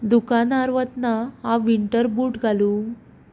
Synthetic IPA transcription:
d̪ukanaɾʋət̪naɦaʋiɳʈəɾbuːʈɡʱalu

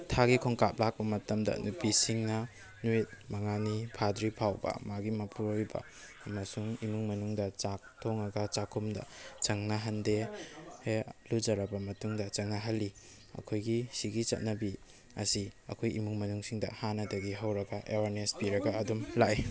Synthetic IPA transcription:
tʰaɡikʰoŋkap̚lak̚bɐmɐtɐmdɐ̰nupisiŋnɐ | nuit̚mɐŋanipʰadɾipʰawbɐ̰maɡimɐpʰuɾojbɐ̰ː | mɐsuŋimuŋmɐnuŋdɐt͡ʃak̚tʰoŋɐɡɐt͡ʃakʰumdɐ̰t͡ʃɐŋnɐɦɐndehelud͡ʒɐɾɐbɐmɐtuŋdɐt͡ʃɐŋnɐɦɐlːi | ɐ̰kʰojɡisiɡit͡ʃɐ̰t̚nɐbi | ɐ̰siɐ̰kʰojḭmuŋmɐnuŋsiŋdɐ̰hanɐdɐɡiɦɐwɾɐɡɐʔewaɾnespiɾɐɡɐːdumlaj

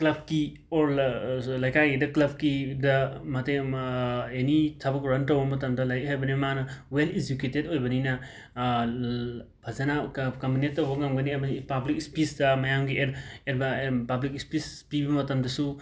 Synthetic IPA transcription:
klɐb̚ʱki | oɾlɐjkʰajɡidɐklɐb̚ʱkidɐmɐte | enitʰɐbɐkɾɐntɐwbɐmɐt̬ɐmdɐlɐjɦajbɐnimanɐweleziketedojbɐninɐ | bʱɐzanakɐmunet̚ːɐwbɐŋamɡɐniebnipablikispisdɐmɐjamɡiʔeɾeɾbɐpablikispispibɐmɐtɐmdɐsu

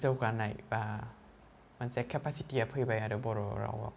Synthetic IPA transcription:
zɯwkanːajba | mansɛkʰːɛpʰasitiʔapʰɯjbajadɯbɔɾɔɾa̰wa̰

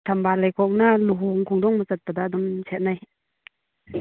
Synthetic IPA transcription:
t̪ʰambalajkʰɔk̚naluɦuŋkʰuŋdɔŋmət͡sat̚padadɔmsʰɛt̚naj

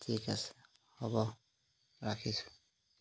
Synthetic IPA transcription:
tʰikas | hɔbɔ | ɾakʰis

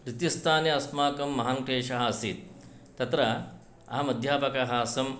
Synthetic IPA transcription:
ɾit̪ist̪ʰaːnjɐɐsmaːkɐmːɐɦɐŋʈʰeːʂɐɦɐɐsiːt̪̚ː | ɐt̪ɾɐ | ɐɦɐmɐd̪ʱjaːpɐkɐɦaːsɐm

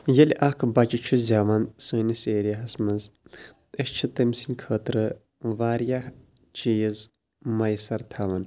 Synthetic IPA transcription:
jɐlʲakʰbɐt͡ʃit͡ʃʰuzʲaːʋɐnsɨːniseːɾijaɦɐsmɐz | eʃt͡ʃʰit̪ɐmsinʲkʰəːt̪ɾɨ | ʋaːɾjah | t͡ʃijiz | mɐjsɐɾt̪ʰɐʋɐn

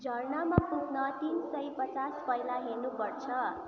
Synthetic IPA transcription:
d͡zʱʌrnʌmaputnʌt̪insʌjpʌt͡saspʌjlaɦenupʌɾt͡sʰʌ

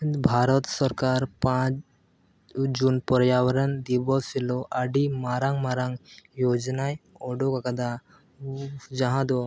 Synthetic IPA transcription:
bʱaɾɔt̪sɔɾkaɾpãt͡ʃ | d͡ʒunpɔɾjawəɾənd̪ibɔsilɔʔaɖimaɾaŋɡmaɾaŋjod͡ʒnajɔɖokakad̪a | d͡ʒaɦãd̪ɔ

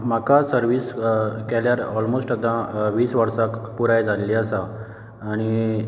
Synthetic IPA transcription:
makasəɾʋiːskɛljaɾɔlmosʈəd̪ãʋiːsʋəɾsakpuɾajd͡zallːiasaː | ɽ̃i

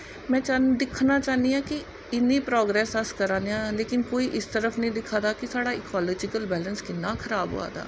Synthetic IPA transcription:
mɛ̃ːt͡ʃad̪ɪkʰnaːt͡ʃaːniːãːkɪ | ɪnːĩːpɾɔːɡɾɛːsəskəɾãːnd̪eãːleːkɪnkoːiːʔɪst̪əɾəfʰnĩːd̪ɪkʰːaːd̪aːkɪsaːɽaːɪkɔːlɔːd͡ʒɪkəlbɛːlənskɪnːaːkʰəɾaːbɦo̰ːa̰ːd̪a̰ː

